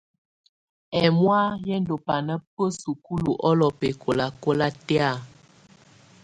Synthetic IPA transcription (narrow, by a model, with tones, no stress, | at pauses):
ɛ˨mwa˦jɛ˦n˦do˨pa˨nə˦pə˦su˨ku˦lu˨ʔɔ˦lɔ˨pe˨kʰo˨la˨ko˦la˦tɛ˦a˦˨